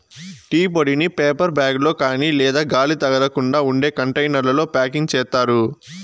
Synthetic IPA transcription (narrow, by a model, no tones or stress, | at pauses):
ʈiːpoɽinipeːpɐɾbaːɡlo̞ːkaːniːlɛːd̪aːɡaːlit̪ɐɡɐɾɐkuɳɖaːuɳɖe̞ːkɐɳʈɐjnɐɾlɐlo̞ːpaːkiŋɡ̚t͡ʃɛːt̪aːɾu